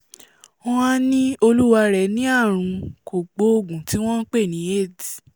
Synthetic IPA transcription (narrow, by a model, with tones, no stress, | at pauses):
ɔ̃˦a˦nĩ˦o˧lu˦wa˧ɾɛ˨nĩ˦a˦˨ɾ̃ũ˨˧ko˨ɡ͡bo˨˦o˧˨ɡũ˨ti˨˦w̃ɔ̃˦n̩˦k͡pe˦˨nĩ˨˦e˦˨di˨